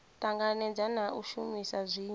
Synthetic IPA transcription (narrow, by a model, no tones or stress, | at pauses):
tʼaŋɡanɛd͡zanaʔuʃumisazʷiː